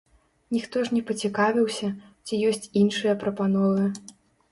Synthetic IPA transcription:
nʲixt̪ɔʐnʲɛpɐt͡sʲikavʲiwsʲɐt͡sʲijɔsʲt͡sʲinʂɨjɐpɾɐpanɔvɨ

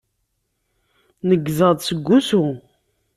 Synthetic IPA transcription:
nəɡzəðˤsəɡʷːusu

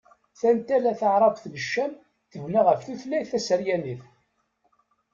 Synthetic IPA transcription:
θænt̪ælæθəʕɾˤɑqθnəʃːæm | θəvnaʁəfθuθlæθæsəɾjæniθ

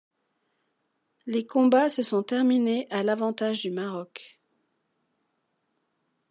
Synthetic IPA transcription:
lekɔ̃basəsɔ̃t̪ɛʁmineʔalavɑ̃t̪aʒd̪ymaʁɔk

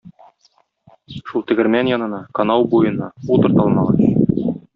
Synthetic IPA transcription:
ʃulˠt̪ɘ̆ɡɘ̆ɾmænjɒnɤ̆nɑkɐnɑwbujɤ̆nːɑ̰ut̪ɤ̆ɾt̪ɑlˠmɑʁɑn

